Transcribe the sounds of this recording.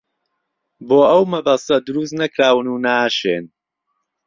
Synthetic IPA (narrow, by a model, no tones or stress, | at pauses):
boːɐwmɐbast̪ɐd̪ʊɾust̪nɐkɾaːwɨnuːnaːʃeːn